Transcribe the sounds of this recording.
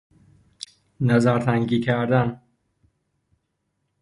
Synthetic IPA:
næzæɾt̪ʰæŋɡiːkʰæɾd̪æn

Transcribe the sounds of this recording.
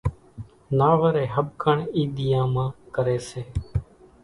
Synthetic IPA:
naːʋəɾeːɦəɓkʰəɳiːɗ̪ɪjãːmãːkəɾeːseː

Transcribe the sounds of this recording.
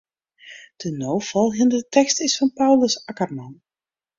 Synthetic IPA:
d̥ənowfɑlˠɦɪndətɛkstɪsfɑnpawləsɑkərmɑn

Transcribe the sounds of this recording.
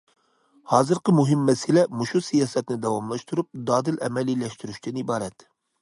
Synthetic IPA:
hɑːzɨɾqəmuɦɪmːɛsɪlɛmuʃusijɑːsɛt̪nɪd̪ɑwɑmlˠɑʃt̪uɾup̚d̪ɑːd̪ɨlɛ̰mɛlilɛʃt̪yɾyʃt̪ʰɛnibɑːɾɛt̪

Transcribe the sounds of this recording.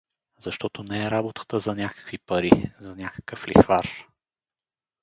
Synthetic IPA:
z̥ɐʃt̪ɔt̪onɛɛɾabot̪ə̥t̪əzɐnʲakə̥kvipɐɾizɐnʲakə̥kəflḭxvaɾ

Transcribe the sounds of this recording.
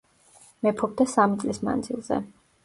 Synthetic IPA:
mɛpʰɔb̚d̪asamit̪sʼlisma̰nd̪zilˠzɛ̰

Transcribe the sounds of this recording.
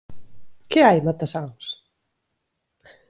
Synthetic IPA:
keajmat̪asaŋs

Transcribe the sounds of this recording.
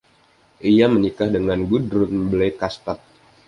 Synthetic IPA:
ʔijamənikahdəŋanɡudɾʊnblekast̪at̪̚

